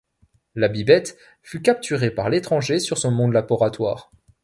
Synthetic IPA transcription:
labibɛt̪ | fykʲap̚t̪yʁepaʁlet̪χɑ̃ʒesyʁsɔ̃mɔ̃d̪labɔʁat̪wa̰ːʁ

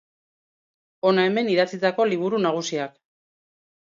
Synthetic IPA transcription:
o̞nae̞me̞niðat͡sit̪ako̞liβ̞uɾunaɣ̞usiak

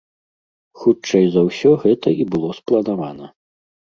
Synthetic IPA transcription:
xut͡ʂɛjzɐwsʲɔɣɛt̪ɐibɨlˠɔsplˠɐnavanɐ

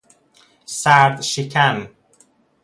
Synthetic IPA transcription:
saðʃikʰan

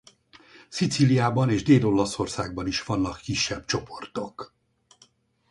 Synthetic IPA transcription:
sit̪silijaːbɒneːʒd̪eːlo̞lɒso̞rsaːɡ̚bɒniʃʋɒnːɒkːiʃːɛbt͡ʃo̞pʰort̪o̞k

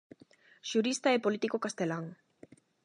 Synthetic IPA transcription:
ʃuɾist̪aepolit̪ikokast̪elaŋ

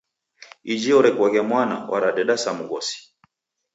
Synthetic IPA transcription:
id͡ʒiɔɾɛkwaɣamwana̰wʔa̰ɾaɗɛɗasamuɣɔsi̥

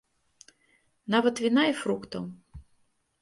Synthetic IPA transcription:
navɐt̪vʲinaifɾukt̪ɐw

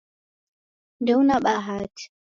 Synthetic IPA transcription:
ndɛwnaɓaɦaːti̥

